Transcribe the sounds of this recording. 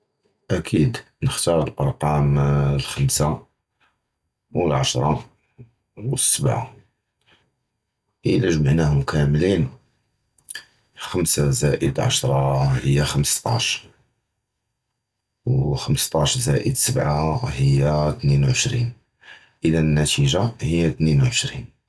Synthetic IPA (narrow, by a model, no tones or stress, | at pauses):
ʔækʰid̪ | nəxt̪ɑɾˤəlbɑɾˤqɑmlxəmsa | wəlʕɑʃɾˤɑ | wəsːəbʕa̰ | ʔəlæʒmaʕnæhʊmkʰæmlin | xəmsazæʔəd̪lʕɑ̰ʃɾˤɑhəjːaxəməst̪ˤɑ̰ʃ | wxəmst̪ˤɑʃzæʔə̰d̪səbʕahəjːat̪ninwʕəʃɾin | ʔəd̪ænnːæt̪iʒahəjːæt̪ninwʕəʃɾin